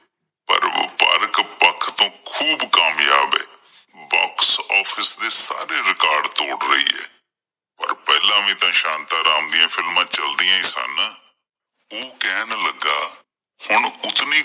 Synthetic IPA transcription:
pə̰ɾpa̰ːɾkpəkʰt̪õːkʰuːbkaːmjaːbɛ̰ː | bɔːksɔːpʰɪsd̪eːsa̰ːɾeːɾɪkaːɾɖt̪oːɽɾəḭːɛ̰ː | pə̰ɾpɛːlãːmĩːt̪ãːʃãːnt̪aːɾaːmd̪ɪjãːpʰɪlmãːt͡ʃəld̪ɪjãːĩːsə̰n | oːkɛːnləɡaː | hʊɳʊt̪niː

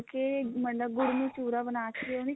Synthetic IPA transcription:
keməɳɖək̚ɡʊɽnũt͡ʃuːɾabənaːt͡ʃʰːoni

